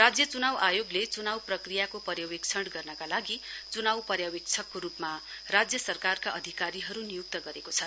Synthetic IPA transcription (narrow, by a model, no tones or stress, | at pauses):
rad͡zjʌt͡sunawʔajoɡlet͡sunawprʌkrijakopʌrjawekt͡sʰʌɳɽɡʌrnʌkalaɡit͡sunawpʌrjawek̚t͡sʰʌkːoɾupma | rad͡zjʌsʌrkarkaʔʌd̪ʱikaɾiɦʌɾunijuk̚t̪ʌɡʌɾekot͡sʰʌ